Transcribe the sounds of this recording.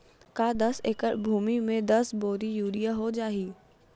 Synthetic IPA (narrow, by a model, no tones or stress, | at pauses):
kaːd̪ɐseːkəɾbʱuːmimẽd̪ɐsboːɾijuːɾijaɦod͡ʒaːɦiː